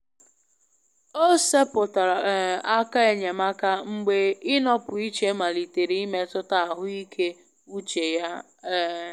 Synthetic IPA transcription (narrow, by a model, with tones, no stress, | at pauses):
o˦se˦pʊ˨ta˨ɾa˨a˦ka˦e˨ɲe˨ma˦ka˦ŋ͡m̩˦ɡ͡be˦ɪ˦nɔ˦pʊ˨i˦t͡ʃe˦ma˨li˨te˨ɾi˦i˦me˦tʊ˦ta˦a˨ɦʊ˦i˦kʰe˦ | u˦t͡ʃe˨ja˦˨